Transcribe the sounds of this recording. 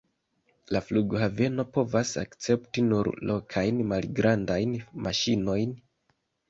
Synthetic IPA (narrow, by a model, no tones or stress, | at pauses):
lafluɡhave̞no̞po̞vasa̰kt͡se̞ptinuɾlʔo̞kʰajnmalɡɾʔandajnmaʃino̞jn